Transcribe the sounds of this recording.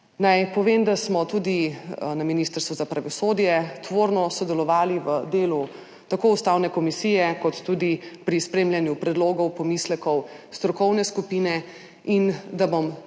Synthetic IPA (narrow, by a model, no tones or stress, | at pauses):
najpɔʋemd̪asmɔt̪uːd̪inaminist̪əɾst̪uzapɾaʋɔsoːd̪jɛt̪ʋoːɾnɔsɔd̪ɛlɔʋaːliʋəd̪eːlu | t̪akoːust̪awnɛkɔmisiːjɛkɔt̪ːud̪ipɾispɾeːmljanjupɾɛd̪loːɡɔwpɔmislɛkɔwst̪ɾɔkɔwnɛskupinɛ | ind̪abom